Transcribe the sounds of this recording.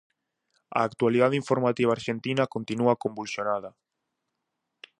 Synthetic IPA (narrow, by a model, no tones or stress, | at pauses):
a̰ːkt̪waliðaðiɱfoɾmat̪iβaːɾʃent̪inakont̪inuakõmbulsjonaðɐ